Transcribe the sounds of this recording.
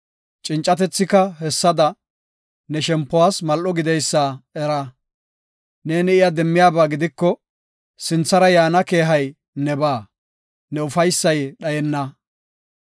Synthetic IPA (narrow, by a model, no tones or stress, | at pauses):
t͡ʃʼɪnt͡ʃʼːɐt̪ɛt͡sːɪkɐɦɛsːɐd̪ɐ | nɛʃɛmpːɔwaːsmɐlʔɔɡɪd̪ɛjsːaɛɾɐ | neːnɪɪjad̪ɛmːɪjaːbaːɡɪd̪ɪkːɔ | sɪnt͡sːɐɾɐjaːnɐke̞ːɦɐj | nɛbaː | nɛʊfɐjsːɐjɗɐjɛnːɐ